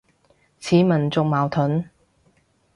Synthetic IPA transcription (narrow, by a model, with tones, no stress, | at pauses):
t͡sʰiː˨˥mɐ˨˩nt͡sʊ˨k̚maː˨˩wt̪ʰʊ˨˥n